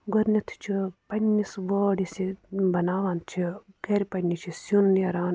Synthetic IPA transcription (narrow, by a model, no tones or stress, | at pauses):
ɡoɾnit̪ʰu̥t͡ʃʰipɐnʲːisʋoːɽisibɐnaːʋaːnt͡ʃʰi | ɡɐɾʲipɐnʲːit͡ʃʰisunjɐɾaːn